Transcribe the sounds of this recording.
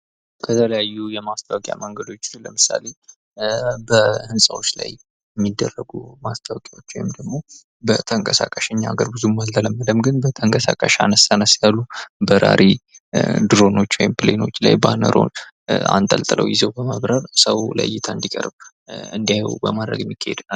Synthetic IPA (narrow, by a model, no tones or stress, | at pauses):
kʰət̪ʰələjajːujɛmast̪ʰawkʼja̰məŋɡəd̪o̞t͡ʃːləmɨsa̰le | bəhɨnsʼawo̞t͡ʃːlaj | jɛmːid̪ːərːəɡumast̪ʰawkʼawo̞t͡ʃːwɔjɪmd̪əɡmo̞ | bət̪ʰəŋkʼəsakʼəʃɛɲːaɡəɾbɨzuməlt̪ələmːəd̪əmɡɨnbət̪ʰəŋkʼəsakʼəʃanəsanəsjalːubəɾa̰ɾʔi | d̪ɨɾo̞no̞t͡ʃːwɔ̰jimpʰɨleno̞t͡ʃːla̰jbanəɾʔo̞̰n | a̰nt̪ʼəlt̪ʼɨlʔə̰wjɪzəwbəməβɾəɾsəwlə̰jːɪt̪ʰaɨnd̪ikʼəɾb | ɨnd̪ijaj̰wbəmad̪ɾə̰ɡjɛmːikʰːahḛd̪nal